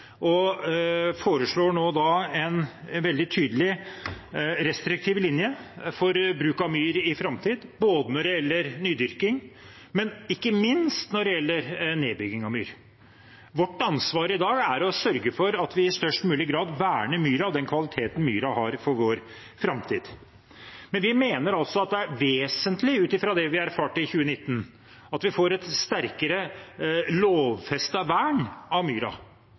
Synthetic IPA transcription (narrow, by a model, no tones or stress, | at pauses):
ʔɔ | foːɾəʂɭoːɳoːd̪ɑɛnʋɛld̪ɪt̪ʰyːd̪əlɪ | ɾɛst̪ɾɪk̚t̪ʰiːʋlɪnjəfɔɾbɾʉːkɑmyːɾɪfɾɑmt̪ʰiːd̪boːd̪ənɔɖɛjɛlːəɾnyːd̪ʏɾkɪŋ | mɛnɪkːəmɪnst̪nɔɖɛjɛlːəɾneːbʏɡɪŋɑʋmy̰ːɾ | ʋɔʈːɑnsʋɑːɾəɪd̪ɑːɡæɾɔsœɾɡəfɔɾɑt̪ʋɪɪst̪œʂʈmʉːlɪɡɾɑːd̪ʋæːɳəmyːɾɑɔd̪ɛnkʰʋɑlɪt̪ʰeːt̪ən̩myːɾɑhɑɾfɔɾʋoːɾ | fɾɑmt̪ʰiːd̪ | mɛnʋɪmeːnəɾɑlsɔɑt̪̚d̪ɛæɾʋeːsənt̪ʰlɪʉːt̪ɪfɾɑd̪ɛʋɪæɾfɑːʈɪçʉːənɪt̪ːən | ɑt̪ʋɪfoːɾɛt̪st̪æɾkəɾə | loːʋfɛst̪ɑʋæːɳɑʋmyːɾɑ̰